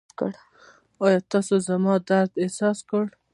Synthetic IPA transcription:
kə̰ɽ | ɑjɑt̪ɑsozamɑd̪aɾd̪esɑskəɽ

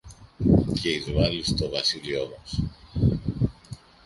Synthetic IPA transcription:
ceizvɐlist̪o̞vɐsilio̞mɐs

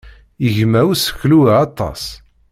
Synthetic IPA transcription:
iʝmæwsçluɑt̪ˤːɑ̰s

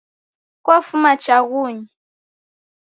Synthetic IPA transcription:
kwafumat͡ʃaɣuːɲi

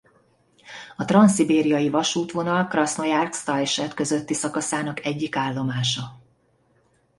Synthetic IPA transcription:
ɒt̪rɒnsibeːɾijɒjivɒʃuːt̪ʋo̞nɒlkrɒsnojarkst̪ɒjʃɛt̪køzøt̪ːisɒkɒsaːnɒkɛɟːikaːlːo̞maːʃɒ

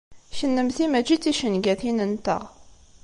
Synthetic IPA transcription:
ʃənːəmθimæd͡ʒit͡sːiʃənɡæθinənt̪ə̰ʁ

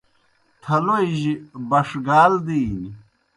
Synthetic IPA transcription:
t̪ʰɐloiʑibɐʂɡaːld̪iːni

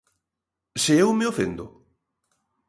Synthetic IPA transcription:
seewmeofend̪ʊ̰

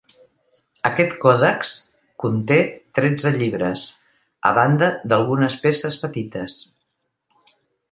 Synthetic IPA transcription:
əkɛt̪kɔðəks | kunt̪et̪ɾɛd͡zəʎiβɾə̰s | ə̰βand̪əd̪əlˠɣunəspesəspət̪it̪əs

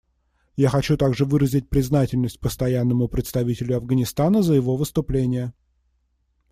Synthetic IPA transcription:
jaxɐt͡ɕut̪aɡʐɨvɨɾəzʲɪt̚ʲpɾʲɪznatʲɪlʲnəsʲt̚ʲpəst̪ɐjanːəmʊpɾʲɪt̪st̪ɐvʲitʲɪlʲʊɐvɡənʲɪst̪anəzəjɪvo̞vɨst̪ʊplʲenʲɪjə

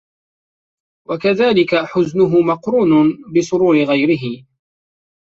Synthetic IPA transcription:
wakaðaːlɪkaħʊznʊɦʊmɑqɾuːnʊbɪsʊɾuːɾɪɣajɾɪɦɪ

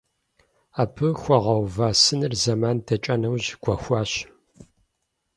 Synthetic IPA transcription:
aːpʰɨxʷɔʁɐwvaːsɨnɨrzɐmaːndʰɐt͡ʃʼɐnɐwʑɡ̥ʷɔxʷɑːɕ

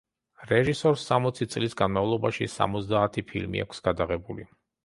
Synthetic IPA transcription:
ɾɛʒisɔɾsːamɔt̪sʰit̪sʼlisɡanmavlˠɔbaʃisa̰mɔzd̪aːt̪ʰipʰḭlmḭa̰kʷʰsɡ̥ad̪aʁɛbuli

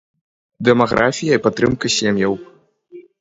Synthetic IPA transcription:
d̪ɛmaɣɾʔafʲijɐipat̪ːɾɨmkɐsʲemjɐw

